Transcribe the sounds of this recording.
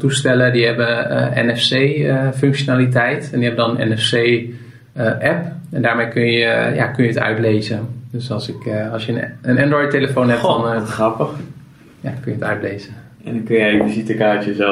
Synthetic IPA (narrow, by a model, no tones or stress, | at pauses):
tustɛlədiɦɛbəʔɛ̰nɛfsejəføŋkʃonaːlit̬ɛjtɛndiɦɛbəndɔnənɛ̰nɛsej | ʔɛpɛndaːɹmejkønjəja̰kønjəətœ̰ɥtleːzədøsɑlˠsɪkɑlˠsjəənɛndrɔjteləfownɦɛpdɔnrɑpəx | jakønjətœ̰ɥtlejzə | ɛndɔnkønjɛjvizitəkaːtjəzɛ